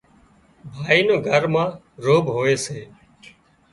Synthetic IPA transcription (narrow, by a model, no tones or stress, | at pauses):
bʱaːiːnõːɡʱəɾmãː | ɾoːbɦoːeːseː